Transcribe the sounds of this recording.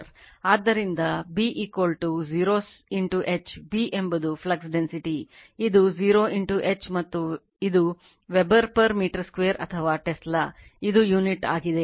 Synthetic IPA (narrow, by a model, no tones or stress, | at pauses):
ɾaːd̪ːɐɾind̪ɐbiːʔiːkʋɐlʈuziːɾoːsiɳʈuʔet͡ʃbiːʔembɐd̪upʰlɐɡsɖensiʈi | id̪uziːɾoːʔiɳʈuʔet͡ʃmɐt̪ːu | id̪u | ʋebɐɾpɐɾmiːʈɐɾskʋeːɐɾɐ̰t̪ʰɐʋaːʈeslɐ | id̪ujuːniʈa̰ːɡid̪e̞